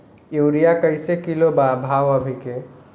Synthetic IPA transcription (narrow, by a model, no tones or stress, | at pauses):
jewɾijakəɪsekilobabʱaʋəbʱike